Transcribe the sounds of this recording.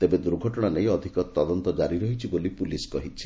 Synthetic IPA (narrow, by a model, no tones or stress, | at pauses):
t̪ebed̪uɾɡʱɔʈɔɽ̃anej̃ɔd̪ʱikɔt̪ːɔd̪ɔnt̪ɔd͡ʒaɾiɾɔɦit͡ʃʰibolipuliskɔɦit͡ʃʰi̥